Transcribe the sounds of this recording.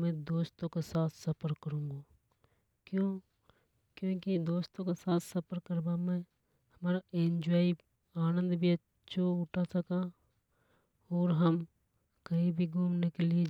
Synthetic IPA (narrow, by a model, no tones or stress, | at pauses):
mɛ̃d̪oːst̪õkesaːt̪ʰsɐpəɾkːəɾũːŋɡa | kjõː | kjõːkid̪oːst̪õkesaːt̪ʰsɐpəɾkəɾbamɛ̃ | hɐmaːɾaẽɲd͡ʒaːi | aːnə̃nd̪bʱiɐ | ʃʰoʊʈʰasɐkã | ɔːɾɦəm | kɐibʱiɡʱuːmnekelie